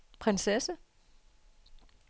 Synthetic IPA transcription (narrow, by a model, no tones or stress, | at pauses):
pʰʁɛnsesə